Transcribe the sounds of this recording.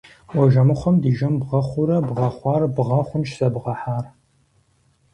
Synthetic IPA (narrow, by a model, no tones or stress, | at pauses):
wɔʒɐmɨχʷɔmdiːʒɐmbʁɐχʷʊɾɐbʁɐχʷɑːrbʁɐχʷʊnʃsɐbʁɐħaːr